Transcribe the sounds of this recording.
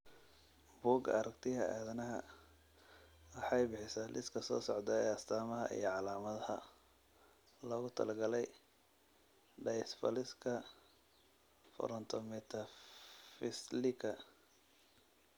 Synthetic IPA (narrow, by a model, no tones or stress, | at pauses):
buːɡɐɾɐkt̪ʰɪɦɐaːðɐnɐɦɐ̰ | ɐħɑjbɪħɪsɐlɪskʰɐsɔ̰ːsɔʕd̪ɐɛːɐst̪ʰaːmɐɦɐ̰ʔḭjɞʕɑlaːmɐðɐhɐ̰ | lɔːɣʊt̪ʰɐ̰lɐɡɐlɛj | ɖɛjsfɐ̰lɪskʰɐ | fɔ̰ɾɔnt̪ʰɔmɛt̪ʰɐfɪslɪkʰɐ